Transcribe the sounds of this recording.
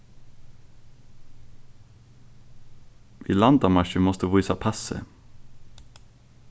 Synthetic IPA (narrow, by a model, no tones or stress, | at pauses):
ʔḭːlɑnd̪ɑmɑʃəmɔst̪əʋuːsɑpʰæsə̰